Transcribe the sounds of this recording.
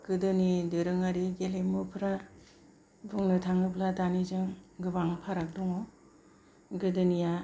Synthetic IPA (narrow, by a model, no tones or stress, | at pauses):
ɡ̥ɯdɯnidɯɾɯŋaɾiɡelejmɯpʰɾa | buŋnɯtʰaŋɯbladanizɯŋɡɯbaŋpʰaɾak̚duŋɔ | ɡɯdɯnija